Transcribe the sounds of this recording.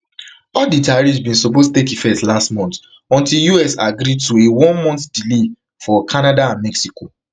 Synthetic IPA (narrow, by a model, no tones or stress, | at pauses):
ɔditaɹisbĩnsɔpostutekifɛtlastmɔ̃nt | ɔ̃ntiljuɛsaɡɾituewɔ̃nmɔ̃ntdile | fɔkʰanadaãnmɛksiko